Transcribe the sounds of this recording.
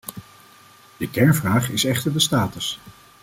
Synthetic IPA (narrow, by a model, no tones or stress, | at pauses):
d̥əkɛɹnvraːχɪsɛχtəɹdəstaːtəs